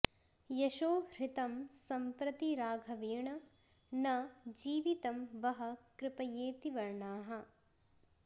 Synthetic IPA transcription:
jɐʃoːɾɪt̪ɐmsɐmpɾɐt̪iɾaːɡʱɐʋeːɳɐ | nɐd͡ʒiːʋit̪ɐmʋɐɦɐ̆kɾɪpɐjeːt̪iʋɐɾɳaːɦɐ

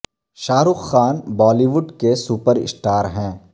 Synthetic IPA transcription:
ʃaːɾʊxːaːnbɔːliʋʊɖkesuːpəɾɪ̰sʈaːɾɦɛ̃ː

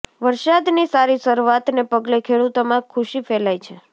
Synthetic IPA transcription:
ʋəɾʃad̪nisaɾisəɾuat̪nepəɡlekʰeɽut̪omãkʰuʃifelajt͡ʃʰe

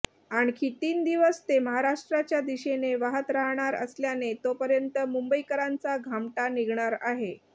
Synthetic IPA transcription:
aɳ̃kit̪iːnd̪iʋəst̪eməɦaɾaʂʈɾat͡ɕjad̪iɕeneʋaɦət̪ɾaɦɳ̃aɾə̰sljanet̪opəɾjənt̪əmumbəikəɾant͡saɡʱamʈaniɡɳaɾaɦe

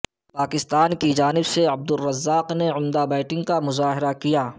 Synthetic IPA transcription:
paːkɪst̪aːnkid͡ʒaːnɪbseɐb̚d̪ʊrːɐzːaːqneʊmd̪abaːʈɪ̃ŋɡkamʊzaːɦɪɾakijaː

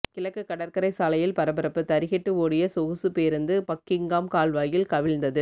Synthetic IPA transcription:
kɪlɐkːɯkːɐɽɐɾkɐɾɐɪsaːlɐjɪlpɐɾɐbɐɾɐpːɯt̪ɐɾɪɣɛʈːɯoːɽɪjɐsɔɣɯsɯpeːɾɯnd̪ɯpɐkːɪŋɡaːmkaːlʋaːjɪlkɐʋɪlnd̪ɐðɯ

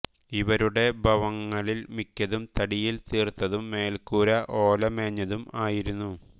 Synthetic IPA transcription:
iʋɐɾuɽe̞bʱɐʋɐŋːɐɭilmikʲːɐðumt̪ɐɽijilt̪iːrt̪ːɐðumːe̞ːlkuːɾɐʔo̞ːlɐme̞ːɲːɐðumaːjiɾunːu

